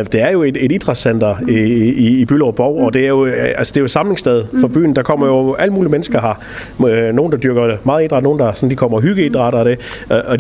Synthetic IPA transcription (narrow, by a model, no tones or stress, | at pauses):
d̥e̝æɐjo̝e̝d̥e̝ɾid̥ʁɑ̈sen̰d̥ɐiːb̥ylɒb̥ɒʊ̰ɒ̽d̥e̝æɐjo̝ælsə̥d̥e̝ɐjo̝sɑ̈mle̝ŋsd̥eð̞ˠfɒb̥y̰ːn̩d̥ɑ̈kʰɒ̽m̰ɐjo̝æl̰əmuːlimenəsɡ̥ɐɦɑ̈ | no̝ːn̩d̥ɑ̈d̥yɐɡ̥ɐmɑ̈ːðˠid̥ʁɑ̈dno̝ːn̩d̥ɑ̈sɒ̽n̩d̥ikʰɒ̽m̰ɐɦyɡ̥əid̥ʁɑ̈ɾ̥ɐd̥e̝ | ʔɒ̥